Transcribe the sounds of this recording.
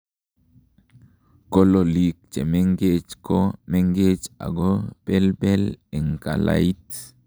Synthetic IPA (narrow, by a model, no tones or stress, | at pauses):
kololik̚t͡ʃemeŋɡet͡ʃkɔmeŋɡet͡ʃa̰ɡɔpɛlpɛlɛŋka̰la̰it